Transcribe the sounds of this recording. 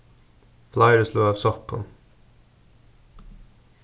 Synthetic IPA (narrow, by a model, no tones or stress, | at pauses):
flɑɪɹəsluːɑːʋsɔkɔ̰n